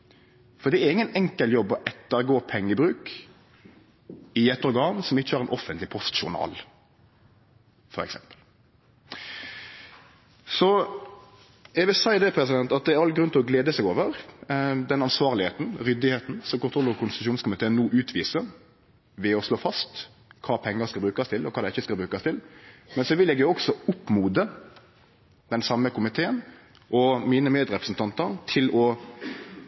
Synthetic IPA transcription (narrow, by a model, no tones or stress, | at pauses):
fɔɾd̪ɛæɾɪŋːənɛŋkəljɔbːɔʔɛt̪ːəɾɡoːpʰɛŋːəbɾʉːk | ɪɛt̪ːɔɾɡɑːnsɔmɪçːəæɾɛnʔɔfənt̪lɪpʰɔst̪ʃʊɾnɑ̰ːl | fɔɾɛ̰ksɛ̰mpə̥l | sɔ | jɛʋɪlsæɪd̪ɛpʰɾɛsɪd̪ɛnt̪ɑt̪̚d̪ɛæɾɑlɡɾʉnt̪ʰɪlɔɡleːd̪əsɛɡoːʋəɾ | d̪ɛnɑnsʋɑːʁlɪheːt̪n̩ɾʏd̪ɪheːt̪n̩sɔmkʊnʰɾɔlːəkʰʊnst̪ʉʃuːnskʊmɪt̪ʰeːənːuːʔʉːt̪ʰʋiːsə | ʋɛɔsloːfɑst̪ | kʰɑːpʰɛŋːəɾskɑlbɾʉːkɑst̪ʰɪlɔkʰɑːd̪ɛɪçːəskɑlbɾʉːkɑst̪ʰɪlmɛnsɔʋɪljɛɡjʊɔksɔʊpːmuːd̪ə | d̪̥ɛnsɑmːəkʊmɪt̪ʰeːən | ʔɔmiːnəmeːd̪ɾɛpɾəsn̩t̪ʰɑnt̪əɾt̪ʰɪlɔ